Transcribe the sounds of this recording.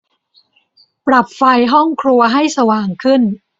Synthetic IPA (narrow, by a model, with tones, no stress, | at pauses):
pɾa˨˩p̚fa˧jɦɔ˥˩ŋkʰɾu˧ɐɦa˥˩jsa˧waː˨˩ŋkʰɯ˥˩n